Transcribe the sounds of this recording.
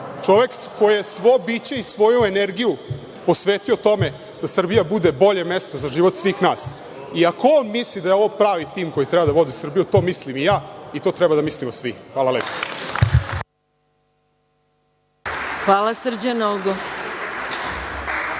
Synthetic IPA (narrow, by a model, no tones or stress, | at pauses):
t͡ʂo̞ʋe̞kkojijesʋobiːt͡ɕe̞isʋo̞jueneɾɡiju | po̞sʋeːt̪io̞t̪o̞me̞ | d̪̥asr̩bijabud̪e̞bo̞ʎe̞me̞st̪o̞zaʒiʋo̞t̪sʋiːxnaːs | iakoonmislid̪ajeoʋopɾaːʋit̪iːmko̞jit̪ɾɛbad̪aʋo̞d̪isr̩bijut̪o̞ːmislimijaːit̪o̞ːt̪ɾɛbad̪amislimosʋixʋaːlaleːpo̥ | xʋaːlasr̩d͡ʑanolɡo